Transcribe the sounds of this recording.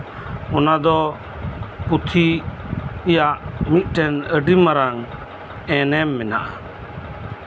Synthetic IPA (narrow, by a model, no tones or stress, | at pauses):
ɔnad̪ɔ | put̪ʰi | jaʔmit̪̚ˀʈɛnəɖimaɾaŋ | ɛnɛmːɛna̰ʔa